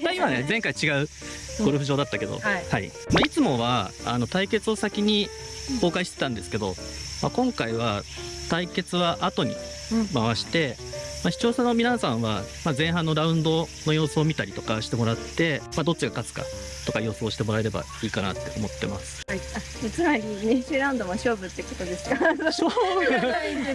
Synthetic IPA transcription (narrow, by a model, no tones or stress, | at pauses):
maimane̞zẽ̞ŋkait͡ɕiɡaɯ̟ | ɡo̞ɾɯ̟ɸɯ̟ʑo̞ːd̪at̪ːake̞d̪o̞̰haḭ | mait͡sɨmo̞βaːno̞t̪aike̞t͡sɨo̞sakʲiɲ̟i | ko̞ːkaiɕi̥t̪et̪ãnd̪e̞sɨ̥ke̞d̪o̞ma̰kõ̞ŋkaiβat̪aike̞t͡sɨβaʔat̪o̞ɲ̟ḭ | maβ̞aɕi̥t̪e̞ | maçi̥t͡ɕo̞ːsono̞mʲinasãɰ̃βa̰mazẽ̞ɰ̃ɦãnːo̞ɾaɯ̟̃nd̪o̞no̞jo̞ːsoːmʲit̪aɾʲit̪o̞̥kaɕi̥t̪e̞mo̞ɾat̪ːe̞mad̪o̞t͡ɕːiɡakat͡sɨ̥ka̰ | t̪o̞kajo̞ːsɨːɕi̥t̪e̞mo̞ɾae̞ɾe̞ba̰ | iːkana̰t̪ːe̞omo̞t̪ːe̞masɨ̥a | jat͡sɨmaɾʲineɕɨːɾãɯ̃nd̪o̞maɕoːbɯ̟t̪ːekot̪o̞d̪e̞sɨ̥ka